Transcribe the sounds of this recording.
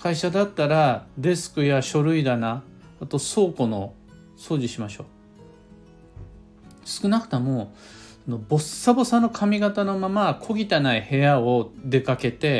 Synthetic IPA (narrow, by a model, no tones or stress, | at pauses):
kʰaiɕad̪at̪ːaɾad̪e̞sɨ̥kɯ̟jaɕo̞ɾɯ̟id̪anaː | t̪o̞so̞ːko̞no̞ | so̞ːʑiɕimaɕo̞ː | sɨ̥kɯ̟nakɯ̟̥t̪emo̞ | sono̞bo̞sːabo̞sãnːo̞kʰamʲiɡat̪ano̞mamakʰo̞ɡʲit̪anaihe̞jao̞d̪e̞kake̞t̪e̞